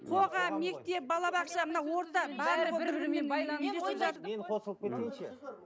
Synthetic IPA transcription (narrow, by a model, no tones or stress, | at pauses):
qʰo̞ʁɑme̞k̚t̪e̞p̚bɑlˠɑbɑqʃɑmənɑwo̞ɾt̪ɑbɑɾˠəobɪɾɾbɪɾmenbɑj̪neeset̪ɑmenqʰo̞səlˠəp̚kʰʲet̪ːejnʃḛ